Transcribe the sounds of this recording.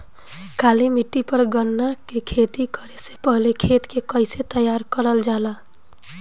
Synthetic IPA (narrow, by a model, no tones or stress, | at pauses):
kalimiʈːipəɾɡənːakekʰet̪ikəɾesepəɦlekʰet̪kekəɪset̪əjaɾkəɾəld͡ʒala